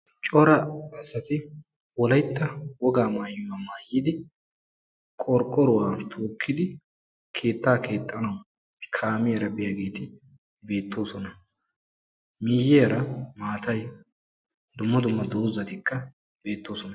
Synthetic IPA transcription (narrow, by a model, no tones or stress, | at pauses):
t͡ʃʼɔɾɐɐsɐt̪ɪ | wɔlɐjt̪ːɐwɔɡaːmaːjːʊwaːmaːjːɪd̪ɪ | kʼɔɾkʼːɔɾʊwaːt̪ʰoːkʰːɪd̪ɪ | kʰe̞ːt̪ːaːke̞ːt̪ʼːɐnɐw | kʰaːmɪjɐɾɐbɪjaɡe̞ːt̪ɪ | be̞ːt̪ːo̞ːsɔnɐ | mɪjːeɾɐmaːt̪ɐj | d̪ʊmːɐd̪ʊmːɐd̪oːzːɐt̪ɪkʰːɐ | b̥e̞ːt̪ːoːsɔnɐ